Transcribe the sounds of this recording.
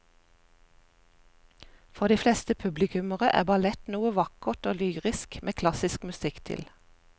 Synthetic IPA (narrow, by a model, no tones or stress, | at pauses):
fɔʁd̪iːflɛst̪əpʰʉblɪkʉməʁəʔæ̰ːbɑlɛt̪nuːəʋɑkət̪oːlyːʁɪskmʔeːkʰlɑsɪskmʉsɪkt̪ʰɪ̰l